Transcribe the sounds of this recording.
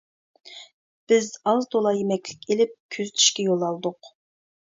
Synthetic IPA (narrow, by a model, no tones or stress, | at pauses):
b̥ɪzɑzd̪olˠɑjemɛkʲlɪ̥kʲʰelɪp̚kʲʰøzt̪ʰi̥ʃkʲɛjolˠɑlˠd̪ʊq